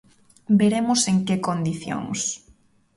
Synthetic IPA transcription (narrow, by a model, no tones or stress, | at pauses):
beɾemʊseŋkekond̪iθjo̰ŋs